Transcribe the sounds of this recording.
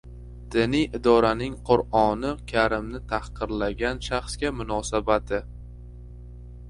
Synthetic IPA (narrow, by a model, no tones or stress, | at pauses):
d̪̥ɪnɪjɪd̪ɒɾanɪŋqʰʊɾɒnɪkʲʰaɾɪmnɪt̪ʰahqɨɾlaɡʲanʃaχskʲamʊnɒsabat̪ʰɪ